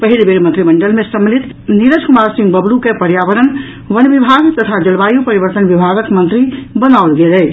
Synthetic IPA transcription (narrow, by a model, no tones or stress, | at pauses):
pəɦilbeɾmə̃nt̪ɾiməɳɖəlmẽsəmlit̪ | niɾəd͡ʒkumaɾsĩŋɡbəblukepəɾjaʋəɾən | ʋənbibʱaɡt̪ət̪ʰad͡ʒəlbajupəɾibəɾt̪ənbibʱaɡəkmə̃nt̪ɾibənaolɡelɛ